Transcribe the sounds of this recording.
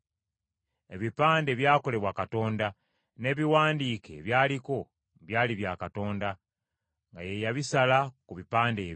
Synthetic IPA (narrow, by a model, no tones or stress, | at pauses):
e̞βipaːnde̞βjaːko̞le̞βwakato̞ːnda | ne̞ːβiwaːndiːke̞̰βjaːliko̞ | βjaːliβjaːkato̞ːnda | ŋɡa̰jejaβisalakuβipaːndeː